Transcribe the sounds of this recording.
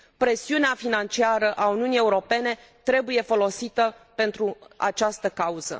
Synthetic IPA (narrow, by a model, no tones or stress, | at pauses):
pɾe̞siuneafinant͡ʃiaɾəʔauniunije̞uɾo̞pe̞ne̞ | t̪ɾe̞buje̞fo̞lo̞sit̪əpe̞nt̪ɾua̰t͡ʃast̪əkauz̥ə̰